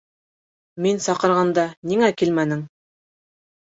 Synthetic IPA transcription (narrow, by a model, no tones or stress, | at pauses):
minsɑqɤ̆ɾʁɑnd̪ɑniŋækilmænɘŋ